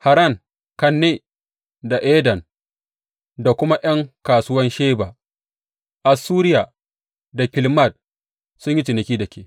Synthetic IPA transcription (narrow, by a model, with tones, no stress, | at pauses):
ha˨ɾa˦˨ŋ | kɐ˨nːeː˦˨ | da˨ʔeː˦dɐ˨n | da˨kʷʊ˦ma˦ʔɐ˦ŋkaː˨sʊ˦wɐ˦nʃeː˦baː˨ | ʔa˨suː˦ɾɪ˦jaː˨ | da˨kʲɪ˨lma˦˨d̚ | sʊ˦ɲji˦t͡ʃɪ˨nɐ˨kʲiː˦dɐ˨kʲeː˨